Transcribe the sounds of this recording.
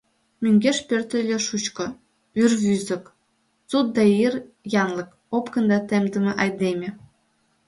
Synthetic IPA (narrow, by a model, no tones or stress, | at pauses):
mʲyŋɡʲeʃpʲørt̪ɘ̆lʲĕʃut͡ɕkɤ̆ | yrβyzɘ̆k | t͡sut̪̚d̪ɑir | jɑnlˠɤ̆k | opkɤ̆nd̪ɑt̪emd̪ɘ̆mʲĕʔɑjd̪emʲĕ